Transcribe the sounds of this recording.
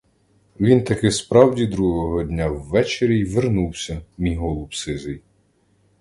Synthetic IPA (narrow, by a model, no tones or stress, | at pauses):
ʋʲint̪ɐkɪspɾɑwdʲid̪ɾuɦɔɦɔdʲnʲawːɛt͡ʃeɾʲijʋernuwsʲɐmʲijɦɔlˠʊpsɪzɪj